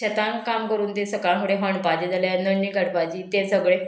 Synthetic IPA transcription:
ət̪ankamkəɾuːnt̪esəkaɦuɽeɦəɳpad͡ʑed͡zalanənːiːɡəɽpad͡ʑiːt̪ẽsəɡɭe

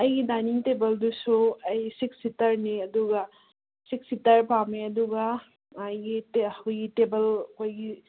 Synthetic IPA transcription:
ɐjɡidaniŋtebɐldusuɐjsiksitɐɾniɐduɡɐ | sik̚sitɐɾpameɐduɡɐ | ɐjɡitehojɡitebɐlɐkojɡi

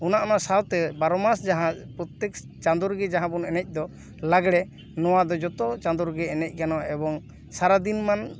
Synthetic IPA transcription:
ɔnaʔɔnasawt̪ɛbaɾɔmasd͡ʒaɦãpɾɔt̪ɛk | t͡ʃand̪ɔɾɡɛd͡ʒaɦãbɔnɛnɛc̚ˀd̪ɔ | laɡɽɛ | nɔwad̪ɔd͡ʒɔt̪ɔt͡ʃãnd̪ɔɾɡɛɛnɛc̚ˀkanɔʔɛbɔŋ | saɾad̪inman

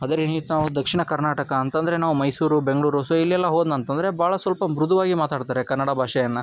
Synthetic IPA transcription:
ɐd̪ɐɾit̪naːʋud̪ɐkʂiɳɐkɐɾnaːʈɐkɐːnt̪ɐnd̪ɐɾe̞naːʋumɐjsuːɾube̞ŋɡɐɭuːɾusoilːiɛlːɐɦoːd̪nɐnt̪ɐnd̪ɐɾe̞bʱaːɭɐsʋɐlpɐmɾud̪ʱuʋaːɡimaːt̪aːɽt̪aːɾekɐnːɐɽɐbʱaːʂɐjɐnːɐ

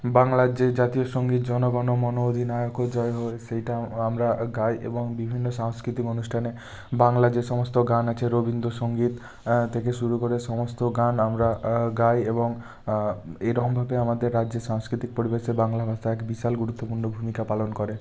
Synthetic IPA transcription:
baŋlaɾd͡ʑed͡ʑat̪ioʃoŋɡit̪d͡ʑɔnoɡɔnomɔnood̪ʱinajokod͡ʑɔeɦoeʃejʈaamɾaɡajʔḛboŋbibʱinːoʃaŋskɾit̪ikonusʈʰane | baŋlad͡ʑeʃɔmost̪oɡanat͡ɕʰeɾobind̪oʃoŋɡit̪ | t̪ʰːekeʃuɾukoɾeʃɔmost̪oɡanamɾaɡajeboŋ | ejɾɔkombʱabeamad̪eɾːadːd͡ʑeɾʃaŋskɾit̪ik̚poɾibeʃebaŋlabʱast̪aɛkbiʃalɡuɾut̪ːopuɾnobʱumikapalonkɔɾe

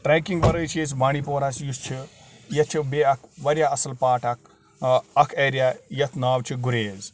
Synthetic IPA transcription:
ʈɾeːkiŋɡʋɐɾəjt͡ʃʰieːsbaːñipoːɾaːsjust͡ʃʰi | jɐt̪̚t͡ʃʰibeːɐkʰʋɐɾjaɐsɐlpaːʈɐk̚ʰ | ɐkʰeːɾijaːjɐt̪ʰnaːʋt͡ʃʰiɡuɾeːz

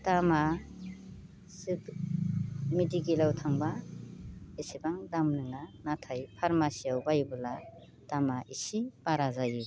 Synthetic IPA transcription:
tama | sɯb | midiɡilawtʰaŋba | isibaŋdamnɯŋanatʰajpʰaɾmasijawbajbɯla | tamaʔisib̥aɾazaji

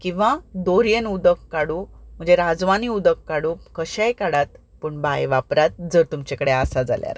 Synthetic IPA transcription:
kĩw̃ʋad̪oɾjenud̪əkːaɽũm̤əd͡zeɾad͡zʋaniud̪əkːaɽũkəɕajkaɽat̪̚ | pəɳbajʋapɾat̪̚d͡zəɾt̪umt͡ɕekəɽeasad͡za̰lja̰ɾ

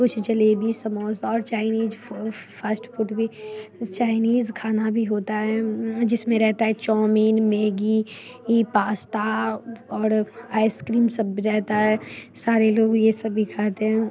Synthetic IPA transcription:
kʊt͡ʃʰd͡ʒɐlebʱisɐmɔːsɔːɾt͡ʃaːɪniːzfəsʈfʊʈbʱit͡ʃaːɪniːzkʰaːnabʱiɦoːt̪aɦɛd͡ʒɪsmẽɾɛɦt̪aɦɛt͡ʃɔːmiːnmeːɡi | ipaːst̪aɔːɾaːɪskɾiːmsɐbiɾɛɦt̪aɦɛːsaːɾeloːɡjesɐbikʰaːt̪eɦɛ̃

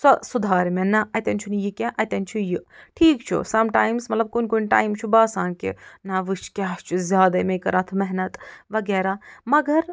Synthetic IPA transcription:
sɔsud̪ʱaːɾmenɐɐt̪ɐnt͡ʃʰunjikʲaʔɐt̪ɐnt͡ʃʰijiʈʰiːkt͡ʃʰḭsɐmʈaːjmsmɐt̪lɐb̚kunkunʈa̰ːjmt͡ʃʰubaːsaːnkḭnɐʋɨt͡ʃʰkʲaːst͡ʃʰizʲjaːd̪ɐmekɐɾat̪ʰmɛɦnɐt̪ʋɐɡɛːɾaːmɐɡɐɾ

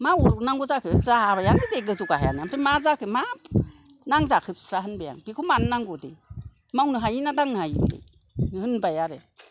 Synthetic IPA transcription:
mauɾnaŋɡɔzakʰɯzaabajanɯdeɡɯzuɡahaja̰nɯamtʰemazakʰɯmap | naŋzakʰɯp̚sɾaɦɯnbeja̰ŋbikʰumanːaŋɡɔde | mawnɯɦajinadaŋnɯhajdḛ | hɯnbajaɾe

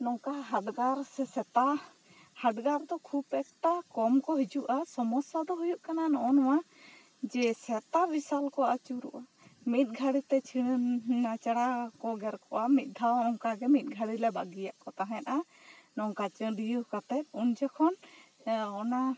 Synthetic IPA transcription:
nɔŋkaɦaɖɡaɾsɛsɛt̪a | haɖɡaɾd̪ɔkʰubɛk̚t̪akɔmkɔɦid͡ʒuʔasɔmɔsad̪ɔɦujuʔkananɔʔɔnɔwa | d͡ʒɛsɛt̪abisalkɔʔat͡ʃuɾṵʔa | mit̪̚ˀɡʱaɽit̪ɛt͡ʃʰiɽnːat͡ʃaɽakɔɡɛɾkɔʔamit̪̚ˀd̪ʱawɔŋkaɡɛmit̪̚ˀɡʱaɽilɛbaɡijaʔkɔt̪aɦɛ̃t̪ʔa | nɔŋkat͡ʃɔɖijukat̪ɛt̪̚und͡ʒɛkʰɔn | ɔna

